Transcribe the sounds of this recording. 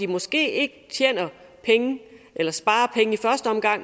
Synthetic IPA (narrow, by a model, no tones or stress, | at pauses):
imɒ̽sɡ̥e̝̰ːe̝ɡ̥ət͡sʰjḛːnɐ | pʰeŋəʔelɐsb̥ɑ̈ːɐpʰeŋəifɶɐsd̥əɒ̽mɡ̥ɑ̈ŋ̰